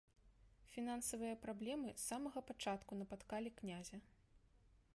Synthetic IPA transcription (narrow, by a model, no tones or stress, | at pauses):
fʲinansɐvɨjɐpɾablʲɛmɨsamɐɣɐpat͡ʂat̪kunɐpat̪kalʲiknʲazʲɐ